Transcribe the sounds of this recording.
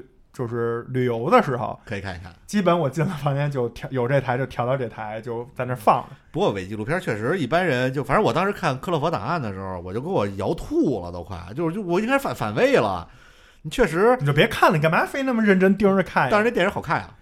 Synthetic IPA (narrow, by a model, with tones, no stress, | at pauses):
t͡ɕjo˥˧ʊʂɻ̩˥˩ly˨˩jo˧˥ʊd̪ə˧ʂɻ̩˧˥xo̰˥˧˩ʊkʰɤ˧˥i˨˩kʰa˥˩nḭ˨˩kʰa̰˥˩nt͡ɕi˥pə˧˦nwɔ˨˩t͡ɕi˥˩lə˧˩fɑ˧˥ŋnjɛ˥˧nt͡ɕjo˥˧ʊt̪ʰjɑ˧˥ʊjo˨˩ʊʈ͡ʂɤ˥˧˩i˧t̪ʰa˧˥ɪt͡ɕo˥˧ʊt̪ʰjʊt̪ɑ˥˧ʊʈ͡ʂɤ˥˩i˧˩t̪ʰa˧˥ɪt͡ɕjo˥˧ʊt͡sa˥˧ɪnə˥˧fɑ̰˥˩ŋlə˦pu˧˥kwɔ˧je˧˥ɪt͡ɕi˥˧u˧˩pʰjɑ˥t͡ɕʰɥɛ˥˩ʂɻ̩˧˥i˥˩pa˥nɻə˧˥nt͡ɕjo˥˧ʊfa˨˩nɻə˧˥wɔ˨˩t̪ɑ˥ŋʂɻ̩˧˥kʰa˥˩nkʰɤ˥lɤ˧˥˩fɔ˧˥t̪a̰˨˩a˥˩nd̪ə˩ʂɻ̩˧˥xo˧ʊwɔ˨˩t͡ɕjo˥˧ʊkə˥nwɔ˨˩jɑ˧˥ʊt̪ʰu˥˩lə̰˩t̪o˥˧ʊkʰwa̰˥˩t͡ɕjo˥˧ʊʂt͡ɕjɔ˨˩˥ŋʰa˥ʂfa˨˩n˩fa̰˨˩nwe˥ɪlə̰˨˩ | ni˧˩t͡ɕʰɥɛ˥˩ʂ̬ɻ̩˧˥˨t͡ɕo˥˩p̬jɛ˧˥kʰa˥˩nlə˩k̬ma˧˥fe˥ɪna˥˩mə˨ɻə˥˩nʈ͡ʂə˥nt̪i˥˧ɻə˧˥ɻ̩˥˧kʰa˥˩n˥ʂ̩˧˥˩ɛ˨˩˧xɑ˨˩ʊkʰa˥˩lə̰˩